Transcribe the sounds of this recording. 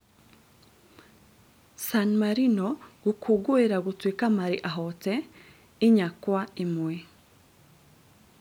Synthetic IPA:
sanmaɾinoɡ̥ukʰuɡuiɾaɡutwikamaɾḭʔaɦote | iɲakwaimuwe

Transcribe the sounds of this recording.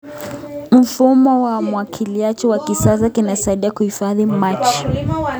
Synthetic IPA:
m̩fumɔwamwakʰiliat͡ʃɛwakisas̬akinasaiɗiakuhifaðimat͡ʃ

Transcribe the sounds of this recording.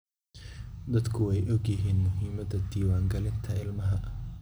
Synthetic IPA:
d̪ɐd̪kʰʊɛjɔɡjɪɦiːnmʊɦiːmɐd̪ɐd̪iːwaːŋɡɐlɪnt̪ʰɐɪlmɐɦɐ

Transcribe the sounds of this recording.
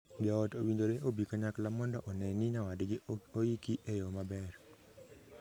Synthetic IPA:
daɔtowindoɾeʔobikaɲaklamɔndɔʔɔnɛnɪɲawadɡɪojikiʔejɔmabɛr

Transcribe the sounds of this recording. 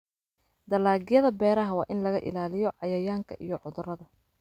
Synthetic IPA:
d̪̥ɐlaːɣɪjɐðɐbɛːɾɐɦɐwɑ̰ːʔɪnlɐɣɐʔɪ̰laːlɪjɔʕɑjɐjaːŋkʰɐ̰ʔḭjɔʕʊðʊrɐðɐ

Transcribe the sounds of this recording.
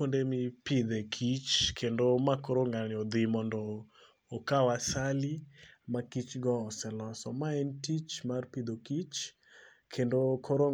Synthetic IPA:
ondemipɪd̪ɛkʰit͡ʃkʰendomakoɾoŋɡalɪɔd̪ɪmɔndɔː | kawasalimakit͡ʃɡɔːsɛlɔsɔmaɛntit͡ʃmarpid̪okit͡ʃ | kʰendokʰɔɾo

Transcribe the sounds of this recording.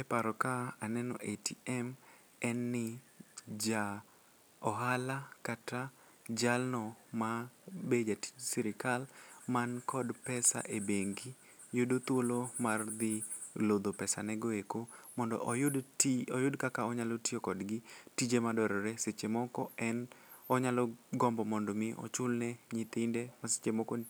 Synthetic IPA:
ɛpaɾɔkaanɛnɔ̰ʔetiɛm | ɛnːɪ | d͡ʒa | ɔɦalakata | d͡ʒalnɔmabed͡ʒati̥d͡ʒsiɾɪkalmankʰɔdpɛsa̰ʔebeŋɡi | jʊdot̪wolomard̪ɪ | lod̪opɛsa̰nɛɡoekomɔndɔ̰ʔjɔjʊdkakaɔɲalotiokɔdɡɪtid͡ʒemadɔɾɔɾeset͡ʃemɔkɔɛnɔɲalɔɡɔmbɔmɔndɔmɪʔɔ̰t͡ʃʊlnɛɲit̪ɪndemase̥t͡ʃemɔkon

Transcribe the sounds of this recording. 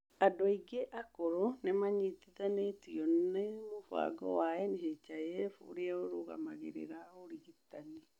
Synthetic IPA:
adoiɡeʔakoɾonemaɲitiðanetiɔnɛmofa̰ɡɔ̰waɛneʃet͡ʃajɛfṵɾeaoɾoɣa̰ma̰ɣḛɾḛɾaoɾiɣitani

